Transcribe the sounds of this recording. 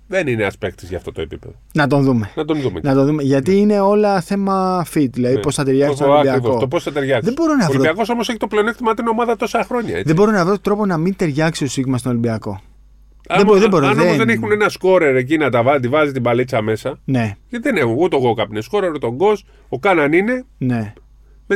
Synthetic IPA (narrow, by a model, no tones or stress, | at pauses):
ðenineɐspek̚t̪izʝɐ̰ft̪o̞t̪oḛpḭpeðonɐt̪o̞nðume̞nɐt̪onðumḛnɐt̪o̞nðumeʝɐt̪iine̞o̞lɐθe̞mɐfit̪ðilɐðiposθɐt̪eɾjʝɐksisoibiɐooposθɐt̪eɾʝɐkðebo̞ɾonɐoviɾoiɐko̞so̞moseçi̥t̪opleo̞nekt̪imɐt̪ino̞mɐðɐt̪o̞sɐxɾo̞ɲɐ̰eðeboɾonɐvɾot̪ɾo̞po̞nɐmint̪e̞ɾʝɐksit̪o̞siɣmɐst̪ono̞limbiɐko̞ | ɐemðeboɾonðoezðenexunenɐsko̞ɾe̞ɾec̬inɐt̪ɐvɐt̪ivɐzit̪ibɐlit͡sɐme̞sɐne̞ʝɐt̪iðenexunut̪oɣokɐpinesko̞ɾeɾut̪o̞ŋɡo̞s | okɐnɐnine̞ne̞ | me